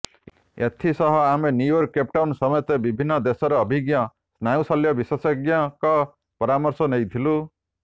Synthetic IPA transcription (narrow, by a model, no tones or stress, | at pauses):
ḛt̪ʰisɔɦɔamenjujɔɾkːep̚ʈawnsɔmɔjɔt̪ebibʱinːɔd̪esɔɾɔːbʱiɡjɔ | snajũsaljɔbiswɔsɔɡjakɔ | pɔɾamɔɾsɔnejt̪ʰilu